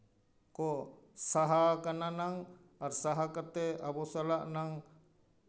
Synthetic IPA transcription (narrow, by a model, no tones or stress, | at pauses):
koʔ | saɦakananaŋ | aɾsaɦakat̪eabosalaʔnaŋ